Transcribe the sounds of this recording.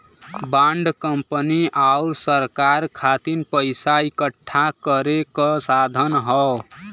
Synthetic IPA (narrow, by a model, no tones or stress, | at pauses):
bãɳɖkəmpəniʔaʊɾsəɾkaɾkʰat̪inpəɪsaikəʈʰːakəɾekɔsad̪ʱənɦɔ